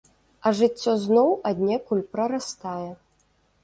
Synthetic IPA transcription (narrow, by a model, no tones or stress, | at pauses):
ɐʐɨt͡sʲːɔznɔwɐd̪ʲnʲɛkulʲpɾɐɾast̪ajɛ